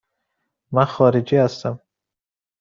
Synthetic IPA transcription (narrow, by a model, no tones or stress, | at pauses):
maχɒɾid͡ʒihast̪am